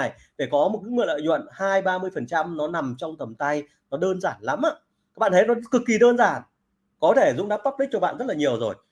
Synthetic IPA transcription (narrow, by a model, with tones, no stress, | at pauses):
j | fe˧˩kɔ˨˦mo˨˩t̚kɨ˨˦ŋwʔlə̰ː˧˨jzwə̰˧˨nhaː˧jɓaː˧mɨ˧əjfə˨˩nt͡ɕa˧mnɔ˨˦na˨˩mt͡ɕɔ˧wŋ͡mt̪ə˨˩mt̪a˧j | nɔ˨˦ɗəː˧nzaː˧˩nla˨˦mʔaː˧˥ | a˦˥k̚ɓa̰ː˧˨t̪ʰjnɔ˨˦˥kɨ˨˩kːi˨˩ɗəː˧nzaː˧˩n | kɔ˨˦t̪ʰe˧˩zʊ̰˧˥ŋ͡mɗaː˦˥p̚pa˦˥p̚lï˦˥t͡ɕɔ˧ɓa̰ː˧˨nzə˦˥t̚laː˨˩ɲi˨˩əwzo˨˩j